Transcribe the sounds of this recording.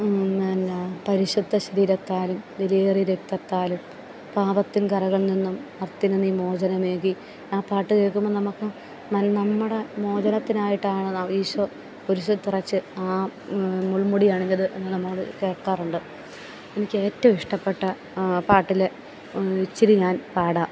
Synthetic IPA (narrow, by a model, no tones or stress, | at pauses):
nnːɐpɐɾiɕud̪ʱːɐɕɐɾiːɾɐt̪ːaːlumileːriɾek̚t̪ɐt̪ːaːlum | paːbɐt̪ːinkɐɾɐɣɐɭninːumɐrt̪ːinenːiːmo̞ːd͡ʑɐnɐme̞ːɣi | aːpaːʈːɨke̞ːɭkːumːonɐmukːɨ | nɐnɐmːuɽe̞mo̞ːd͡ʑɐnɐt̪ːinaːjiʈːaːɳɨnɐiːɕɐ | oɾuɕɐt̪ːirɐt͡ɕːɨaː | muɭmuɽijaːɳenɐðɨʔe̞̰nːɨnɐmɐkːɐɭke̞ːɭkaːruɳɖɨ | enikʲːe̞ːtːɐmiʂʈɐpːe̞ʈːɐ | paːʈːile | it͡ɕːiɾiɲaːnpaːɽa